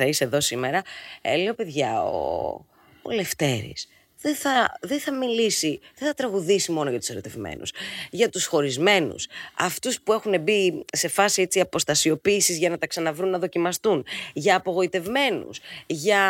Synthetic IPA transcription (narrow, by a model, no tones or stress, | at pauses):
ɐiseðo̞sime̞ɾɐle̞o̞pe̞ðʝɐo̰ | o̰le̞ft̪e̞ɾḭs | ðeθɐðeθɐmilisiðeθɐt̪ɾɐɣuðisimo̞noʝɐt̪u̥seɾo̞t̪e̞vmḛnṵsʝɐt̪usxo̞ɾizme̞nṵsɐft̪uspue̞xune̞bise̞fɐsie̞t͡siɐpo̞st̪ɐsio̞piːsizʝɐnɐt̪ɐksɐnɐvɾunːɐðo̞cimɐst̪unʝɐːpo̞ɣo̞it̪e̞vme̞nṵsʝɐ